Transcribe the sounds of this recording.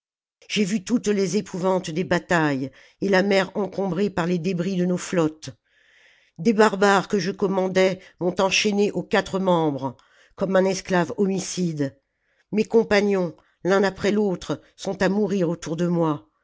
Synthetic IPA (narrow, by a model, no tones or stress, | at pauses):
ʒ̥evyt̪ut̪lezepʰuvɑ̃t̪d̪ebat̪aj | elamɛʁɑ̃kɔ̃bʁepaʁled̪ebʁid̪ənoflɔt̪ | d̪ebaʁbaʁkəʒəkɔmɑ̃d̪ɛmɔ̃t̪ɑ̃ʃeneʔokʲat̪χəmɑ̃bʁ | kɔmɛ̃nɛsklavɔmisid̪ | mekɔ̃paɲjɔ̃ | lɛ̃napχɛlot̪χ | sɔ̃t̪amuʁiʁot̪uʁd̪əmwa